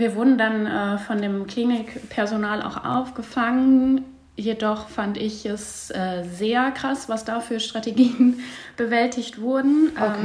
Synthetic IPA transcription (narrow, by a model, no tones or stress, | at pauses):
viːɐvʊɐdn̩danɛːfɔndeːmkl̥iːnɪkpʰɛɐzonaːlʔa̰ʊxʔa̰ʊfɡ̥əfaŋən | jedɔχfandɪçɛs | ʔɛːzeːɐkʁ̥asv̥asd̥aːfyːɐʃtʁ̥ateɡiːənb̥əvɛltʰɪçtv̥ʊɐdn̩ʔ